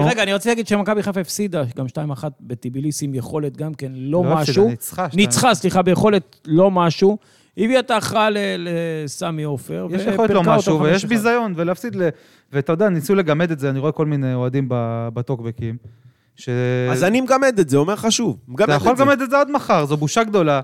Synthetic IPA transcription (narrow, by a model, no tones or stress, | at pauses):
ʁeɡaniʁot͡sit̪laɡid̪ʃemakabiχaafefsid̪aɡamʃtaimaχat̪̚bet̪ibilisimjeχo̞let̪̚ɡamke̞nlo̞maʃʃuit͡sχanit͡sχasliχabejeχo̞le̞t̪ | lo̞maʃu | iviat̪aχalelesamiofeʁvjeeʃjjexolelomaouvejɛʃbizajo̞nveleafsid̪le | veataojd̪eanisule̞ɡamed̪etzeaniʁo̞eko̞lmineoad̪imbabat̪okbekim | ʃeazanimeɡamed̪etzeomeʁχaʃuvmɡamejaχolɡamed̪etzead̪maχaʁzobuʃaɡd̪o̞la